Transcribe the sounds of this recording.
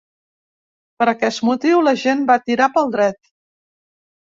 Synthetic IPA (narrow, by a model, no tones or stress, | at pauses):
pəɾəkɛst̪mut̪iwləʒenbat̪iɾapəlˠd̪ɾɛt̪